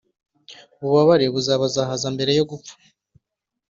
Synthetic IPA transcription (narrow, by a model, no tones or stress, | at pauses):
uβuβaβaɾeβuzaβazaɦazambe̞ɾe̞jo̞ɡup͡fḁ